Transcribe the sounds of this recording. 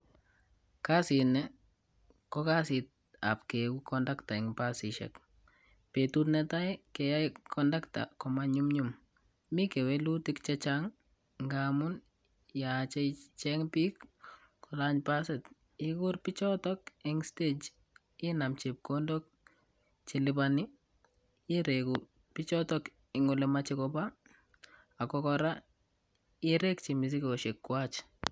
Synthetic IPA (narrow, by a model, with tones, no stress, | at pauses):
ka˦si˨nɛ | kɔka˦sɪ˨t̚ | a̰˨p̚ke˨u˦kʰɔndakta˨ɪŋpasiʃɛ̰k | pe˨tu˦tnɛta˦jkɛ˨ja˦jkʰɔnda˦kta̰kɔmaɲumɲum | mi˦ke˨welu˦tɪ˦kt͡ʃɛt͡ʃaŋ | ŋɡamʊn | jat͡ʃɛ˦jt͡ʃɛŋpi˦k | kʊ˨la˦ɲpa˦sɛ˨t | ɪkʊ˦rpit͡ʃɔtɔ˦kɪ˦ŋsted͡ʒ | ɪ˦na˨mt͡ʃe˨p̚kondo˦k̚ | t͡ʃi˨lɪbanɪ˦ | ɪ˦ɾe˨ku | pi˦t͡ʃɔtɔk | ɪŋʊlɛ˨mat͡ʃi˦kɔpa˦ | a˨kɔkɔɾa˦ | ɪɾe˦k̚t͡ʃi˨mi˨s̬i˦kɔ˨ʃe˨kːwa˦t͡ʃ